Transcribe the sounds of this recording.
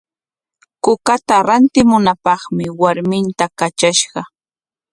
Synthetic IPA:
kʊkat̪aɾant̪ɪmʊnapɑχmɪwaɾmɪnt̪akat͡ʃaʃɢɑ

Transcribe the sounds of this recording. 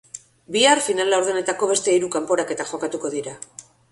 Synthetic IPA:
biarfinalawɾðene̞t̪ako̞βe̞st̪e̞iɾukampo̞ɾake̞t̪aʝo̞kat̪uko̞ðiɾa

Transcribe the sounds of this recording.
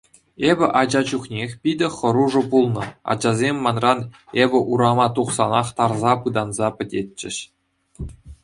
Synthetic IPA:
ebʲɘ̆ʔɑd͡ʑɑʑuχnʲexʲpʲidʲɘ̆χɤ̆ɾuʐɤ̆pulˠnɤ̆ɑ̰d͡ʑɑzʲemʲːɑnrɑnebʲɘ̆ʔuɾɑmɑt̪uχsɑ̰nɑχt̪ɑrzɑpɯd̪ɑnzɑpʲɘ̆dʲet̚ʲt͡ɕːɘ̆ɕ

